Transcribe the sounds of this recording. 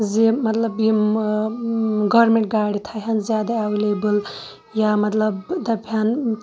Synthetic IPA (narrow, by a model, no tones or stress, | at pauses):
zemɐt̪lɐbji | ɡɔɾmeɳʈ̚ɡajɽit̪ʰaɦɐnzjaːd̪aawilebɨl | jamɐt̪lɐbd̪ɐbʰjan